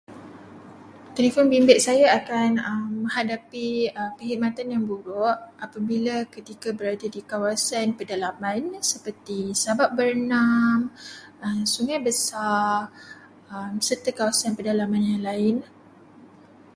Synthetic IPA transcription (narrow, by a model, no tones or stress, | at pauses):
t̪elefɔnbimbɪʔ̚sajaakanəmːə̃ɦadapiəpəɦimat̪anjaŋbuɾʊʔʔapabilakət̪ikabəɾadədikawasanpədalamãnsəpərt̪isabap̚bərənaməmsuŋajbəsa | əmsərt̪əkawasanpədalamanjaŋlaɪn